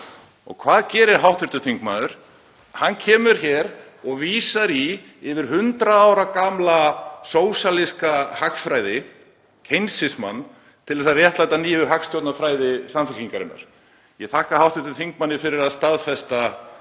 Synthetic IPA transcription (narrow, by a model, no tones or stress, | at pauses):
ɔ̰ɣkʰvaːðcɛːɾɪɾ̥ɦawht̪ʏɾ̥t̪ʏθiŋkmaðʏɾ̥ | hanːcʰɛːmʏɾ̥çɛːɾ | ɔɣviːsaɾi | ɪvɪɾ̥ɦʏnt̪ɾaaːwɾakamlasoːwsaliskahakfɾaːjðɪ | cʰejnsɪsma̰nː | t̪ʰɪlðɛs̬aðrjɛht̪lajt̪aniːvɪɦakst̪jowt̪nafɾaːjðɪsamfɪlciŋkaɾɪ̰nːa̰ɾ̥ | jɛθʰahkahawht̪ʏɾ̥t̪ʏθiŋk̚manːɪfɪɾɪɾaðst̪aðfɛst̪a